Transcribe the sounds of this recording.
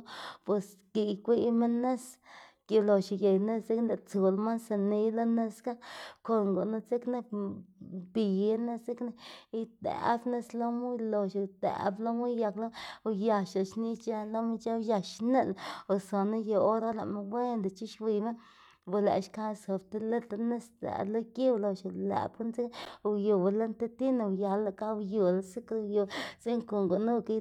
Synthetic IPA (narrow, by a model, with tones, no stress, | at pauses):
pwe˨s | ki˧kʷi˦me˦nːe˦s | ki˧lo˨ʃi˨je˨jne˦st͡se˦knd̪e˧˨t͡su˨lma˦nsa˧ni˧˦jlo˦ne˦ska˦ko˧ŋɡo˨na˦t͡se˦kne˧ | bi˨˦ne˦se˦kne˦i˧t̪ḛ˨˦bne˦slo˦mu˦jlo˧ʃo˨t̪ḛ˨blo˦mu˦jja˧klo˦˧ja˧ʃa˨ʃni˦t͡ʃa˦lo˦ma˦t͡ʃa˦ja˧ʃne˦lo˨so˨na˦jo˧o˦ɾa˦la˨ʔma˧we˦nd̪e˨t͡ʃi˦ʃwi˧˨me˦ | bu˧lḛ˨ʃka˦˧so˨bt̪e˧le˦a˧ne˦st̪a̰˨lo˦ki˦wlo˧ʃa˧lḛ˨bku˦nsi˦kju˨ble˦nt̪e˦t̪i˦na˧ja˧la˧ka˦wju˨la˦si˦kɾjo˧si˦ŋko˨ŋɡo˨nu˦ka˧˦